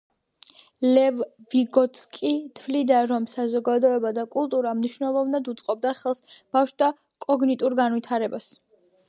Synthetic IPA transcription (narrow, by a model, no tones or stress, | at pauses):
lɛvːiɡɔt̪skʼit̪ʰvlid̪aɾɔmsazɔɡad̪ɔɛbad̪akʼulˠt̪ʼuɾamniʃvnɛlˠɔvnad̪ut̪sʼqʼɔb̚d̪aχɛlˠsb̥afʃd̪a | kʼɔɡnit̪ʼuɾɡanwit̪ʰaɾɛbas